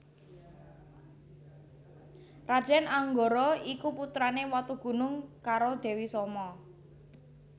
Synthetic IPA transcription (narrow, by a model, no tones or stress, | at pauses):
rad̥ʒ̥ɛnaŋɡoɾɔikuput̪ɾanewat̪uɡ̥ṳnʊŋkaɾod̪̥ɛ̤wisɔmɔ